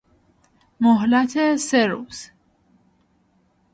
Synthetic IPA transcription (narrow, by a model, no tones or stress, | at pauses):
moɦlæt̪ʰeseɾuːz̥